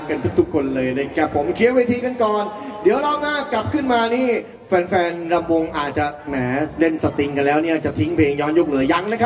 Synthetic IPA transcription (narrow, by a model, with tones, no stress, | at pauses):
ka˧nt̪ʰu˦˥k̚t̪ʰu˦˥kʰːo˧nlɤː˧jna˦˥kʰa˦˥˩pʰːo˩˦mkʰi˦˥ət̚weː˧t̪ʰiː˧ka˧nkɔː˨˧ndi˨˦əwɾa˧wmaː˧ka˨˩p̚kʰɯ˥˩nmaː˧niː˥˩ | fɛː˧nfɛː˧nɾa˧mwo˧ŋʔaː˨˩t̪̚t͡ɕa˨˩nɛː˩˦le˥˩nsa˨˩t̪i˧ŋka˧nlɛː˦˥wniː˥˩ʔaː˨˩t͡ɕa˨˩t̪ʰi˦˥ŋpʰeː˧ŋjɔː˧˥njoː˧˩k̚lɯ˩˦ɐja˧˥ŋna˦˥kʰa˦˧